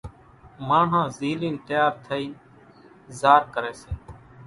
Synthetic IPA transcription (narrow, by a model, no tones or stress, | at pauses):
maːɳ̤ãːziːlĩːnt̪əjaːɾt̪ʰəiː | zaːɾkəɾeːseː